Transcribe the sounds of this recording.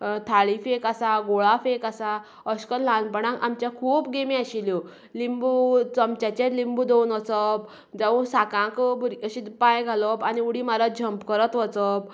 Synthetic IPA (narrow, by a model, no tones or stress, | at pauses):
t̪ʰaɭifekasaɡoɭafekasa | ɔskəllãnpəɽãka̰mt͡ɕjãkʰuːpɡemĩaɕiljɔ | limbut͡sɔmt͡ɕat͡ɕet̪limbud̪ewnʋət͡səp | d͡zaʋũsakãkbuɾɡəɕipãjɡʱalɔpaniuɽimaɾəd͡ʑʱəmpkəɾət̪ʋət͡sɔp̚